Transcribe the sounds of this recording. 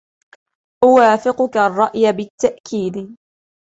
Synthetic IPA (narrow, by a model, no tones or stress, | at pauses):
ʔʊwaːfɪqʊkarˤːɑʔjabɪt̪ːaʔkʰiːd̪